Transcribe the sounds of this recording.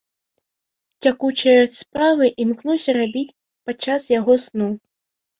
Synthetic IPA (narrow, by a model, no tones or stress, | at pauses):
t͡sʲakut͡ʃɐjɐspɾavɨʔimklˠɔsʲɐɾabʲit͡sʲ | pat͡ʂːasjaɣɔsnu